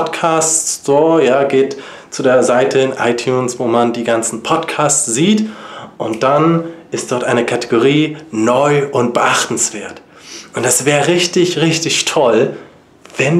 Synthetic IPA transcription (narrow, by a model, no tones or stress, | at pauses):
tkʰaːsstɔoːɐjaːɡeːt | t͡sudeːɐzaɪtʰəɪnʔaɪtʰjuːnsv̥oːmandiːɡant͡sn̩pʰɔtkʰaːst͡sz̥iːtʔʊntd̥anʔɪst̚d̥ɔɐtʔaɪnəkʰatʰe̥ɡoʁ̞iːnɔʏʊnt̚b̥əʔaχtn̩sv̥eːɐt | ʔʊntd̥asv̥ɛːʁəʁɪçtɪçʁɪçtɪçtʰɔl | vɛn